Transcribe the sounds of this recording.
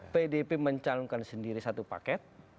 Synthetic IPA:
pedepeməɲt͡ʃalɔŋkansəndiɾisat̪upa̰kɛt̪̚

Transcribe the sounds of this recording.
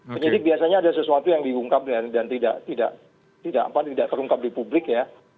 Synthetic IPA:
əɲd͡ʒadɪbiasaɲaːdasəsuat̪ujaŋdiuŋkap̚jadant̪ida̰ʔt̪ida̰ʔ | t̪idaʔapat̪idaʔt̪əɾuŋkap̚dipublɪkja

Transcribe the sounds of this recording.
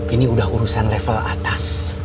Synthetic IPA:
iniudahuɾusanlefəla̰t̪as

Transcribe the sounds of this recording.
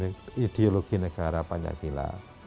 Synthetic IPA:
id̪̥eoloɡ̥inəɡ̥aɾapaɲt͡ʃa̰sila̰

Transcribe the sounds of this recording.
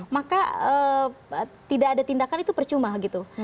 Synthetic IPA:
makaə | t̪idaːdat̪indakanit̪upərt͡ʃumahɡit̪u

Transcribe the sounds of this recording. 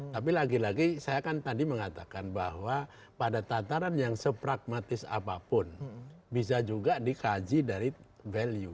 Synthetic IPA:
t̪ap̬ilaɡilaɡisajakant̪adiməŋat̪akanbaɦwa | padat̪at̪aɾanjaŋsəpɾaɡ̚mat̪ɪsa̰papʊnbis̬ad͡ʒuɡadikad͡ʒidaɾi | vɛlju

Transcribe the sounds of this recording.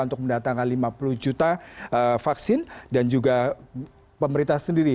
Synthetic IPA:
unt̪ʊk̚məndat̪aŋanlimapuluhd͡ʒut̪aəfaksɪndand͡ʒuɡa | pəməɾint̪asəndiɾi

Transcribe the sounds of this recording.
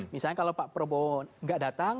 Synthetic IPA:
misalɲakalopaʔpəɾbonŋɡaʔdat̪aŋ

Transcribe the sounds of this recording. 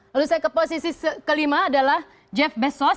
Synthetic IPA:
aɾusajkəposisisəkəlimaːdalah | d͡ʒɛfbɛsɔ

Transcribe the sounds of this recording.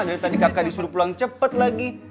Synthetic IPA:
dɾit̪adikakadisuɾupulaŋt͡ʃəpət̪̚laɡi

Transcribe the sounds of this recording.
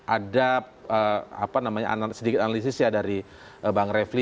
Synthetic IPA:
ʔadap̚əa̰panamaɲa̰a̰nasədikɪt̪analis̬ɪsjadaɾi | əbaŋrefli

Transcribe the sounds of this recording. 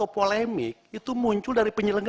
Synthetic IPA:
opolemɪk̚it̪umuɲt͡ʃʊldaɾipəɲələŋɡ

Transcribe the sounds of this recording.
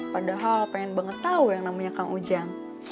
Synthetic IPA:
padaɦalpaɛnbəŋət̪aujaŋnamuɲakaŋud͡ʒaŋ

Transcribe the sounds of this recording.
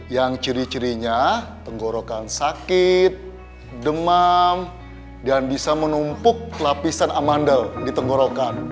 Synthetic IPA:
jaŋt͡ʃəɾit͡ʃəɾiɲat̪əŋɡoɾokansakɪt̪̚ | dəmam | danbisamənumpʊk̚lapisanamandəldit̪əŋɡoɾokan

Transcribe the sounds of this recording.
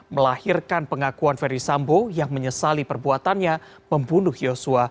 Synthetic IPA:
məlahirkanpəŋakuanferdisambojaŋməɲəsalipərbuat̪anɲa | məmbunʊhjosua

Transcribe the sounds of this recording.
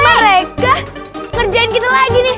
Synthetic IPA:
məɾekakərd͡ʒaɪnkit̪alaɡinɪh

